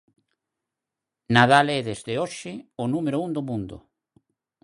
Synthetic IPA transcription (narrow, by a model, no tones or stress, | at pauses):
naðalɛðezðeoʃɪʊnumeɾʊund̪omũnd̪ʊ̰